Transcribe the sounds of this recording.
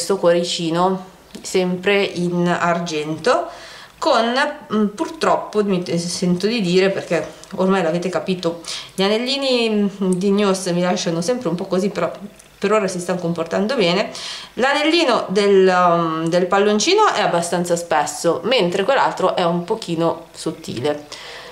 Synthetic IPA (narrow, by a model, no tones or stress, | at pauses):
st̪okwaɾit͡ʃiːno | sɛmpɾeinard͡ʒɛnt̪o | konpurt̪ɾɔpːomisɛnt̪od̪id̪iːɾeperk̟ɛ | ormajloaveːt̪ekapiːt̪oʎianelːiːnid̪injusmilaʃːanosɛmpɾeumpɔkːozipːeɾɔ | peɾoːɾasist̪anokomport̪and̪obɛːne | lanelːiːnod̪el | d̪elpalːont͡ʃiːnoʔɛabːast̪ant̪saspɛsːoment̪ɾekwelːa̰lt̪ɾoʔɛumpok̟iːno | sot̪ːḭːle